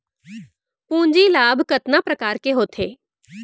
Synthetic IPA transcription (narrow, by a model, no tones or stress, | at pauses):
pũːɲd͡ʒiːlaːbʱkət̪napɾəkaːɾkeɦoːt̪ʰeː